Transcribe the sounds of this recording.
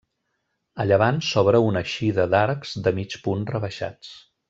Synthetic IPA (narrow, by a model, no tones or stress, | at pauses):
əʎəβansɔβɾəunəʃiðəd̪aɾkz̥d̪əmit͡ʃpunrəβəʃa̰t͡s